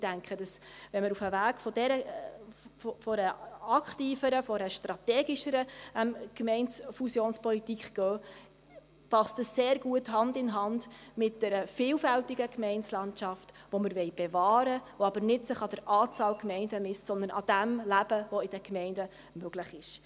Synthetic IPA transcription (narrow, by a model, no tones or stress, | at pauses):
d̥æŋkχəd̥ɑsʋɛnməɾufəvæːɡ̥fɔd̥ɛɾə | fɔɾəɑkχtiːfəɾəfɔɾəʃtɾɑt̪ɛːɡiʃəɾəɛmkmɛɪnsfusjoːnspɔlitikχɡ̥œː | pɑstəsːeːɾɡ̥uəthɑndɪnɦɑndmɪt̚d̥ɛɾəfɪːlfæltiɡəkmɛɪnslɑntʃɑftʋoməɾʋɛɪb̥evɑːɾəʋoɑbəɾnɪtsɪχɑd̥əɾɑːt͡sɑːlkmɛɪndəmɪstsɔnd̪ənʔɑd̥æmlæb̥əʋoɪd̥əkmɛɪndə | møɡ̥ləχɪʃ